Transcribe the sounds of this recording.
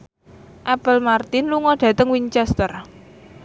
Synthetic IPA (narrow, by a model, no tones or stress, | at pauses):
ʔapəlmart̪ɪnluŋɔɖ̥ä̤t̪əŋwiɲt͡ʃɛst̪ər